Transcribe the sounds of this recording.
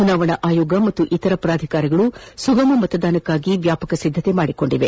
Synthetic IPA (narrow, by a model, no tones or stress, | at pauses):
t͡ʃunaːʋɐɳɐʔaːjoːɡɐmɐt̪ːuʔit̪ɐɾɐpɾaːd̪ʱikaːɾiɡɐɭusuɡɐmɐmɐt̪ɐd̪aːnɐkːaːɡiʋjaːpɐkɐsid̪ʱːɐt̪e̞maːɽiko̞ɳɖiʋe̞